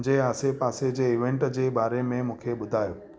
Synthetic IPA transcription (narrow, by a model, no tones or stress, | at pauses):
d͡ʑeaːsepaːsed͡ʑeːɪʋẽɳʈd͡ʑeːɓaːɾemẽmũːkʰeɓʊd̪ʱaːjoː